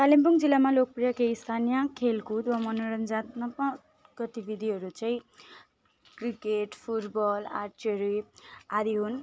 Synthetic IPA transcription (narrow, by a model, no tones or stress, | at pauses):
kalimpuŋd͡zilːamalok̚prijʌkeist̪ʰanijʌkʰelkud̪wamʌnoɾʌnd͡zat̪nʌpa | ɡ̥ʌt̪ibid̪ʱiɦʌɾut͡sʌ̃ĩ | krikeʈpʰuʈbʌlarʈʰiʌɾuad̪iɦun